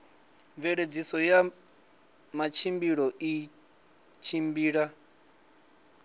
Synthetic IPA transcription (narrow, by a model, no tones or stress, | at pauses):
ɱvɛɺed͡zisɔja | mat͡ʃʰimbiɺɔʔi | t͡ʃʰimbiːɺa